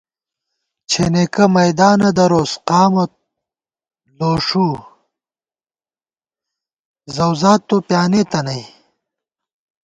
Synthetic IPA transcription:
t͡ɕʰenekɐmɐjd̪aːnɐd̪ɐɾoːsqaːmɐ | loːʂu | zɐwzaːt̪ːopjaːnet̪ɐnɐj

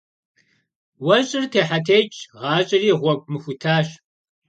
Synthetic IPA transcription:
wɐɕʼɪrtʰeːħatʰejt͡ʃʼʁɑːɕʼɪriːʁʷɔkʷʼmɨxʷʊtʰaːɕ

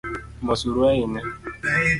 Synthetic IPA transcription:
bɔsuɾueɪne

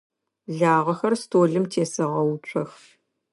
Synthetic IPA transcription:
ɮaːʁɐxɐrstʰoːɮɨmtʰeːsɐʁɐwut͡ʃʷʰʼɐx

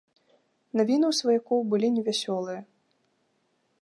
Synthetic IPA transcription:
navʲinɨwsvajakɔwbɨlʲinʲɛvʲasʲɔlˠɨjɐ

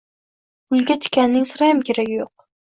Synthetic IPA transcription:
ʊlˠɡʲat̪ʰɪ̥kʲʰanːɪŋsʊɾajamkʲʰeɾaɡʲɪjoq̚

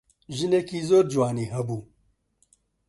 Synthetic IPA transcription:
ʒineːkiːzoːɾd͡ʒuwaːniːɦɐbuː

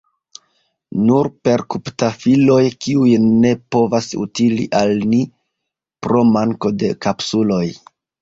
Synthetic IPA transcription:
nuɾpe̞ɾkuptafilo̞jkiujne̞po̞vasṵtilḭʔalni | pɾo̞maŋko̞de̞kapsulo̞j

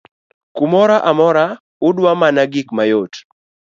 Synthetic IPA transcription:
kumɔɾaʔamɔɾa | ʊdwamanaɡɪkmajot

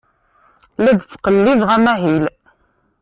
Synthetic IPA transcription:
læd̪t͡sːqəlːɪðʁæmæɦil

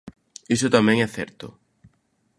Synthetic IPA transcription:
isʊt̪amɛ̃ŋɛθɛɾt̪ʊ̰

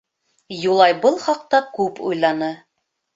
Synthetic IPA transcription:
julˠɑjbɤlˠχɑq̚t̪ɑkʉpṵjlˠɑnɤ

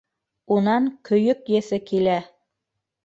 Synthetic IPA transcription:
unɑŋkɵ̆jɵkjɘ̆sɘkilæ

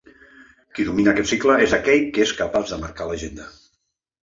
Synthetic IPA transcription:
kiðuminəːkɛt̪sikləezðakɛʎkeskəpazðəməɾkaləʒend̪ə

